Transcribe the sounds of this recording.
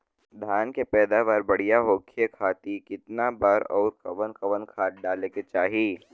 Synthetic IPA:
d̪ʱaːnkepɛːd̪aʋaːɾbɐɽ̤ijaɦoːkʰekʰaːt̪ikɪt̪nabaːɾɔːɾkɐʋənkɐʋənkʰaːʈ̚ɖaːleket͡ʃaːɦiː

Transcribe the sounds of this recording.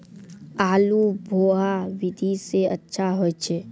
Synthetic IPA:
aːlubʱoːawɪd̪ʱiseətːʃʰaɦoet͡ʃʰe

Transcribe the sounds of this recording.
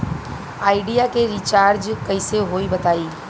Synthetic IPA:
aːɪɖijakeɾiːt͡ʃaːɾd͡ʒkɐɪseɦoːibɐt̪aːiː

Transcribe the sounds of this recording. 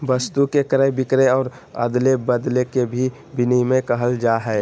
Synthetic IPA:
ʋəst̪ukekɾəɦbɪkɾeɔːɾ | ə̰d̪lebəd̪lekebʱi | bɪnimẽkəɦəld͡ʒaɦɛ

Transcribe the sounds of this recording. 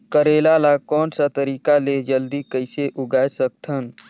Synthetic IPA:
kəɾeːlalakɔːnsat̪əɾiːkaled͡ʒəld̪ikəɪseʔʊɡaːsək̚t̪ʰən

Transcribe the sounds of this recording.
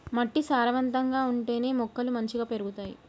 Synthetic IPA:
mɐʈːisaːɾɐʋɐnt̪ɐŋɡaːuɳʈe̞ːne̞ːmɔkːɐlumɐɲt͡ʃiɡaːpe̞ɾuɡut̪aːjḭ

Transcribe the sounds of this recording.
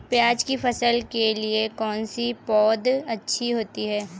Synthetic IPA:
pjaːd͡ʒkifɐsəlkeliekɔːnsipɔːd̪ɐtːʃʰiɦoːt̪iɦɛː

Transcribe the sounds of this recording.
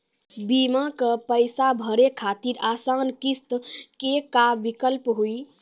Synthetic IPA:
bimakəpəjsabʱəɾekʰat̪iɾasankist̪kekabikəlpɦui

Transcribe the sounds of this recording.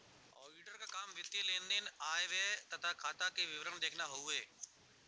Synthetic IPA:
ɔ̰ːiːɖəɾkaːkaːmʋɪt̪jelẽːnd̪enaːeʋeːt̪ət̪ʰakʰaːt̪akeʋɪʋɾəɳd̪eːkʰnaːɦʊuːeː

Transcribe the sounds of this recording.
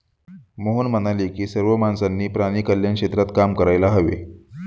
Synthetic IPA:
moɦonmənaliːkiːsəɾʋəmansanːiːpɾaɽ̃iːkəljakʂet̪ɾat̪kamkəɾajlaɦəʋḛ

